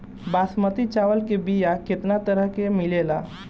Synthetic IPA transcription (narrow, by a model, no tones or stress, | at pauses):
baːsmət̪it͡ʃaʋəlkebijaket̪nat̪əɾəɦkemɪlelaː